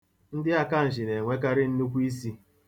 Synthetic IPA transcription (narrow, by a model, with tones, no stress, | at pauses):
n̩˦dɪ˦a˦ka˦˨n̩˨ʒɪ˨ne˨ŋʷe˦ka˦ɾɪ˦n̩˦nu˦kʷu˦i˦si˦